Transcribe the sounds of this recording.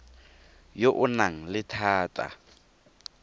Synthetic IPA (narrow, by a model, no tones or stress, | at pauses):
joʔʊnaŋ̩lɪtʰaːtʼa̰